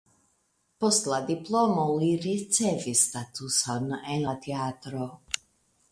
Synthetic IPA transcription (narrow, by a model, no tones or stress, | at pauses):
pɔst̪lˠad̪iplˠɔmɔliɾit͡sɛvist̪at̪usɔnɛnat̪ɛaːt̪ɾo